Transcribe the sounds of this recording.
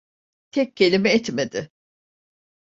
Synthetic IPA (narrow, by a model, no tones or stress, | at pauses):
t̪ʰɛc̚cʰːe̞lʲimɛɛt̪med̪ɪ